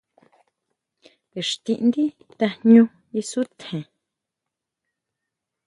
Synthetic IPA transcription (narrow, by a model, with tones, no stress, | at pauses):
e˨ʂt̪ĩ˧ʔnd̪i˦ | t̪ḁ˧ɲũ˧ | i˧su˦t̪ʰhẽ˨